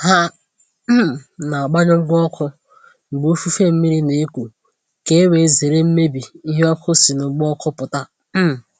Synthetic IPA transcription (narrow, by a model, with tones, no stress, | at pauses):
ɦa˦ | m̩˦m˨na˨a˨ɡ͡ba˦ɲɔ˦ŋ͡m̩˦ɡ͡bɔ˦kʰʊ˦ | ŋ͡m̩˨ɡ͡bo˦fu˦fe˦m̩˦mi˦ɾi˦ne˨e˦kʷu˨ | ke˦e˦we˨ze˨ɾe˦m̩˦me˦bi˨i˦ɦe˦ɔ˦kʰʊ˦si˨nʊ˨˦ɡ͡bɔ˦kʰʊ˦pʊ˨ta˦˨